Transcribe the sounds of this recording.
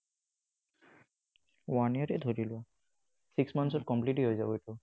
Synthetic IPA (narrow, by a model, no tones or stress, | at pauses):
waniaɹɛdʱoɹilʊa | siksmansɔt̚kɔmplitiɦojzabɔjtʊ